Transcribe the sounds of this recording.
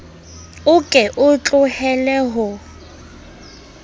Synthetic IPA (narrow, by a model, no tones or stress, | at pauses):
ʊkʼɛʔʊt͡ɬʼʊhɛlɛɦʊ